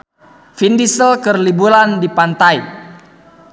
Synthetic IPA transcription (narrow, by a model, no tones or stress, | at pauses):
findisəlkərlibulandipant̪ai